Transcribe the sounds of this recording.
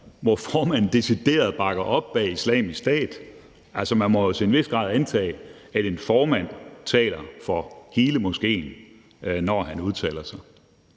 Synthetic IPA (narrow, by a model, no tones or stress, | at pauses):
ʋɒfɒːmænn̩d̥e̝sid̥e̝̰ːɐð̞̩ˠb̥ɑ̈ɡ̥ɐʔɒ̽b̥ːɛːislɛ̰ːmisd̥ɛ̰ːð̥ˠ | ælsɒmænmɒjo̝sʰeenʋe̝sɡ̥ʁɑ̰̈ðˠænt͡sʰɛ̰ː | æɾ̥e̝nfɒːmæn̰t͡sʰɛ̰ːlɐfɒhiːləmo̝sɡ̥e̝̰ːn | nɒːɦænuð̞ˠt͡sʰɛ̰ːlɐsɑ̈ɪ